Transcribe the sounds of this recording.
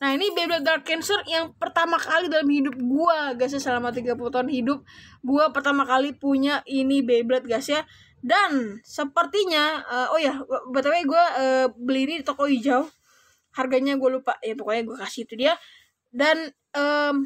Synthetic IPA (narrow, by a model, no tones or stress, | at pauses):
nainibeblɛt̪̚dalkɛnsərjaŋpərt̪amakalidalamhidʊp̚ɡuaɡas̬jasəlamat̪̬iɡapulut̪aʊnhidʊp̚ɡuapərt̪amakalipuɲaʔinibeblɛt̪̚ɡasja | dansəpərt̪iɲaəːʔojabət̪apaɡuaʔəːbəlinit̪okɔid͡ʒau | harɡaɲaɡualupaʔjat̪okɔɲaɡuakasɪit̪udia | dan | əːm